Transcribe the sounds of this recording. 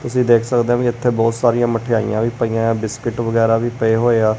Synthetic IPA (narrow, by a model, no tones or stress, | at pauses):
t̪ʊsĩːd̪eːkʰsəkd̪eːɦãːkiɪɪt̪ʰːeːbɔːt̪saːɾijãːməʈʰːeːa̰ːḭjãːʋiːpəiːãːbɪskɪʈʋəɡɛːɾaːʋiːpəeːɦoːeːaː